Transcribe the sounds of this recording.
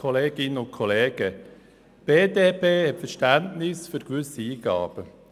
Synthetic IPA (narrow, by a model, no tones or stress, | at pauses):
ɔleːɡ̥ɪnəʊntkʰɔleːɡ̥ə | b̥eːdeːpʰeːhɛtfəɾʃtæntnɪsfyɾkʋʏsiiːɡ̥ɑ̰ːb̥ə